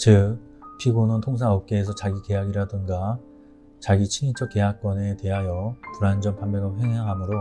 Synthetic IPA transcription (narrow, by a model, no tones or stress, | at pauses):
t͡ɕɯk̚ | pʰiɡonɯntʰoŋs̬ʰaʌp̚k͈eːs̬ʰʌt͡ɕaɡike̞jaɡiɾadɯŋɡa | t͡ɕaɡit͡ɕʰiɲit͡ɕ͈ʰʌk͈ːe̞ɦak̚k͈wʌne̞te̞ɦajʌpuɾand͡ʑʌmpambeɡaɸweŋɦaŋɦamɯɾo